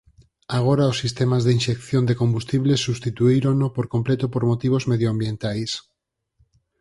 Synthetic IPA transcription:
aɣ̞oɾaosːist̪emazðeinʃekθjond̪ekombust̪iβlesːust̪it̪uiɾonopoɾkomplet̪opoɾmot̪iβ̞ozmeðjoambjẽnt̪ajs

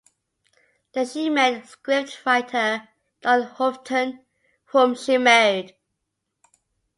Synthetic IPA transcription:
ðəʃimeɪdskɹɪp̚tfaɪtʰə | d̥ənhɔftʰə̃n | fə̃mʃimeɪd̥

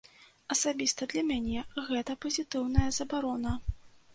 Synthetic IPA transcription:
ɐsabʲist̪ɐd̪lʲɐmʲanʲɛɣɛt̪ɐpɐzʲit̪ɨwnɐjɐzɐbaɾɔnɐ

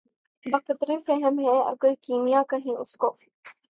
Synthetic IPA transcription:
bɐqət̪ɾefɛɦəmɦɛɐ̰ɡəɾkiːmijakɐɦẽʊskoː

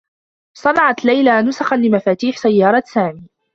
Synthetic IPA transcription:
sˤɑnɑʕɑt̪lajlanʊsaxanlɪmafaːt̪iːħsajːɑːɾˤɑsaːmiː

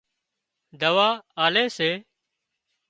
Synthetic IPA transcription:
d̪əʋaːaːleːseː

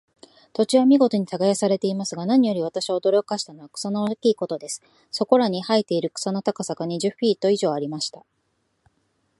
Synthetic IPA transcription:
t̪o̞t͡ɕiβamʲiɡo̞t̪o̞ɲ̟it̪aɡajasaɾe̞t̪e̞imasɨɡanaɲ̟ijo̞ɾʲiβ̞at̪aɕiod̪o̞ɾʲo̞kaɕi̥t̪ano̞βakɯ̥sanaokʲiːko̞t̪o̞d̪e̞sɨ̥ | so̞ko̞ɾaɲ̟ihait̪e̞iɾɯ̟kɯ̟̥sanot̪akasakaɲ̟iʑɨɸʲiːt̪o̞iʑo̞ːaɾʲimaɕi̥t̪a

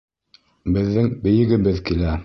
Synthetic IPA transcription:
bɘ̆ðːɘŋbɘ̆jɘ̆ɡɘ̆βɘðkilæ

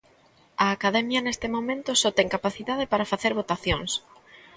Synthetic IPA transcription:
ɐːkaðɛmjɐnest̪ɪmomẽnt̪osɔt̪ɛŋkapaθiðað̞epaɾafaθeɾβot̪aθjoŋs

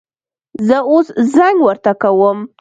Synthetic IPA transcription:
zəoszaŋɡwəɾt̪akawəm

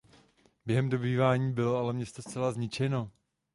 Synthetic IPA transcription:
b̥jɛɦɛmdobiːvaːɲiːbɪloalɛmɲɛst̪o̞st͡sɛlazɲɪt͡ʃɛno̞

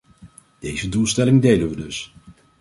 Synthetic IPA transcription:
d̥ejzədulˠstɛlɪŋdejlənʋədɵs

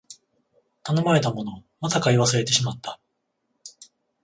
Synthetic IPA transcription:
t̪ano̞maɾe̞t̪amo̞no̞masakaiβ̞asɨɾe̞t̪e̞ɕimat̪ːḁ

